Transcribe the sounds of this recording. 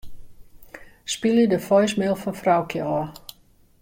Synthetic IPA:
spilˠədəfɔjsmɪlˠfɔnfrawkʰjəɔː

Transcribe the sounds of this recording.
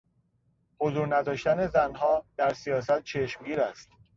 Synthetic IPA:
hozuːɾnæd̪ɒːʃt̪æne̞zænɦɒːd̪̥æɾsijɒːsæt̪̚t͡ʃʰe̞ʃmɡiːɾæst̪

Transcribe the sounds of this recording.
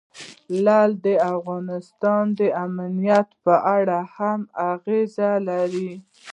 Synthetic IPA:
lald̪əafɣɑnɪst̪ɑnd̪əamnijat̪pəʔaɽahamaɣezalaɾi

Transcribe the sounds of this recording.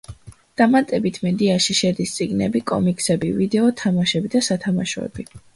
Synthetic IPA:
d̪̥amat̪ʼɛbit̪ʰmɛd̪iaʃiʃɛd̪ist̪sʼiɡnɛ̰bikʼɔ̰mikʼsɛbivid̪ɛɔt̪ʰamaʃɛbid̪asat̪ʰamaʃɔɛ̰bi

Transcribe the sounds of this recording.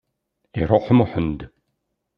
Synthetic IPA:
iɾoħəmuħənd̪

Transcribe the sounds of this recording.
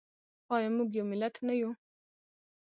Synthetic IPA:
ɑjɑmuɡjawmɪlat̪naju

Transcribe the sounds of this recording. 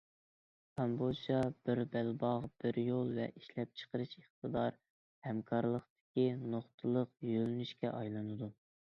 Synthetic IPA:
kʰɑmbod͡ʒɑb̥ɪɾbælbɑʁb̥ɪɾjolˠvɛ̰ʔiʃlɛp̚t͡ʃʰə̥qəɾɨʃeχt̪əd̪ɑɾ | hɛmkʰɑɾlˠəqt̪ɪ̥kʲinoχt̪ʰɨlˠəqjølnyʃkʲɛ̰ʔɑjlˠɨnɨd̪u

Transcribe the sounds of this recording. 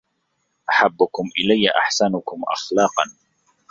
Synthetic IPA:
ʔaħabːʊkʊmʔɪlajːaʔa̰ħsanʊkʊmʔa̰xlɑːqɑ̰n

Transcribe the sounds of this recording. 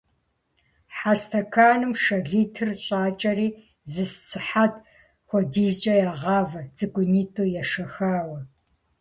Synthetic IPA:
ħastʰɐkʰaːnɨmʂɐɣiːtʰɨrɕʼaːt͡ʃʼɐriː | zɨssɨħatʰ | xʷɔdiːzt͡ʃʼɐjaːʁɑːvɐd͡zɨɡʷʼʊniːtʰʼoːjɛʂɐxaːwɐ

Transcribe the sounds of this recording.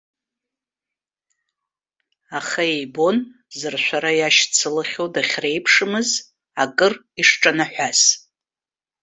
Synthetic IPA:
aχaejbo̞n | zɨrʃʷaɾajaʃt͡sʰɨlɨχʲowdaχʲre̞jpʰʂɨmɨz | akʼɨr | iʂʈ͡ʂʼanaħʷᶣas

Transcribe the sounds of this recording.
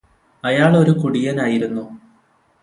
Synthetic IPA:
ɐjaːɭo̞ɾukuɽijɐnaːjiɾunːu

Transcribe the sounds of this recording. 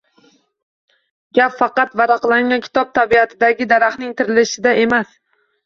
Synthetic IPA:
ɡʲapfɑqɑt̪vaɾɑqlˠaŋɡʲankʲʰɪ̥t̪ʰɒp̚t̪ʰabiat̪ʰɪd̪aɡʲɪd̪aɾaχnɪŋt̪ʰɪɾɪlɪʃɪd̪aʔe̞mas

